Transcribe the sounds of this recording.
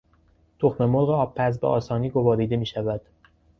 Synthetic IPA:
t̪ʰoxme̞moɾɣeɒːbpʰːæs̬beʔɒ̰ːsɒːniːɡo̞vɒːɾiːd̪e̞miːʃævæd̪̥

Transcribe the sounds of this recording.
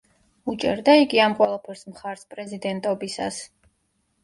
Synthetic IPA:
ut͡ʃʼɛ̰ɾd̪aiɡiamqʼwɛlˠapʰɛɾsmχaɾspʼɾɛzid̪ɛnt̪ʼɔbisas

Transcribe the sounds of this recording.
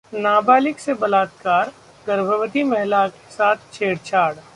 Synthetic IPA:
naːbaːlɪksebɐlaːt̪kaːɾ | ɡɐɾbʱəʋət̪imɛɦlake̥saːt̪ʰt͡ʃʰeːɽt͡ʃʰaːɽ

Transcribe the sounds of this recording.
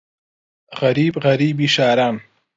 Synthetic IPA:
ɣaɾiːbɣaɾiːbiʃaːɾam

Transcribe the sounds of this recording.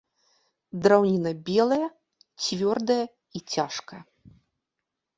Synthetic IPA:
d̪ɾawnʲinɐbʲɛlˠɐjɐ | t͡sʲvʲɔrd̪ɐjɐ | it͡sʲaʂkɐjɐ

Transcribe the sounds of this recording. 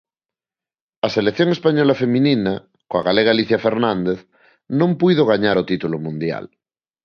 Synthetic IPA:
aselekθjõŋe̞spaɲolafemĩnina | koaɣaleɣaliθjafeɾnãnd̪eθ | nõmpiðoɣ̞aɲaɾot̪it̪ulomũnd̪ja̰l

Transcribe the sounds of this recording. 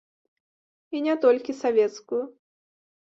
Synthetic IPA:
inʲɛt̪ɔlʲkʲisavʲɛt̪skʊjʊ

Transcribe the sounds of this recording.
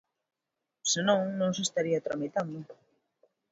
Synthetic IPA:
senõŋnõŋsest̪aɾiat̪ɾomet̪ami

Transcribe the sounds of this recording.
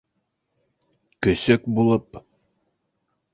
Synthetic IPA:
kɵ̆sɵkbulˠɤp

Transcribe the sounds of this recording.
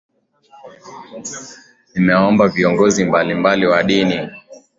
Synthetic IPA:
nimɛɔmbaviɔŋɡɔzimbalimbaliwaɗini

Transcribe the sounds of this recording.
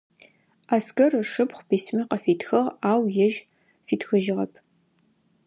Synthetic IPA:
aːskɐrɨʂɨpχʷbiːsmɐqɐfiːtʰxɐʁaːwjɛʒ | fiːtxɨʒɪʁɐpʰ

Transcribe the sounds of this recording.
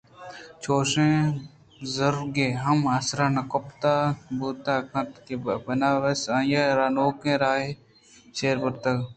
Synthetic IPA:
t͡ʃʰoːʃẽː | zɐɾɡeːɦɐmɐsɾanɐkopt̪aːbuːt̪aːkɐ̃t̪kebbɐnaːʋɐsɐjaɾaːnoːkẽːɾaːɦe | ʃeːɾbʊɾt̪ɐɡ

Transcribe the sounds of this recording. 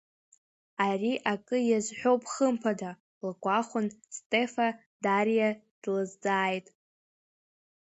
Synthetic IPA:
ariʔakʼɨjazʷħʷᶣo̞wpʼχəmpʰada | lɡʷʼaχʷʊnstʼefa | daɾja | d̥lɨzd͡zʼaːjtʼ

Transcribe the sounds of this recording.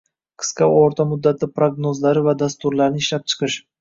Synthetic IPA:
qʰɨ̥sqɑoɾt̪ʰamʊd̪ːat̪ʰɪpɾoɡnozlaɾɪvad̪ast̪ʊɾlaɾnɪɪʃlap̚t͡ʃʰɨ̥qʰɨʃ

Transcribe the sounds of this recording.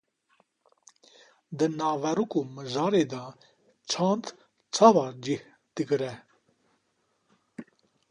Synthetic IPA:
d̪ɨnɑːvɛɾukumɨʒɑːɾeːd̪ɑː | t͡ʃʰɑ̃ːnd̪ | t͡sʰɑːvɑːɾd͡ʒih | d̪̥ɨɡɨɾɛ

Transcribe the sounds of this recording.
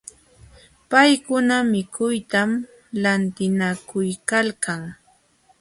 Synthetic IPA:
pajkʊnamɪkʊjt̪am | lant̪ɪnakʊjkalkaŋ

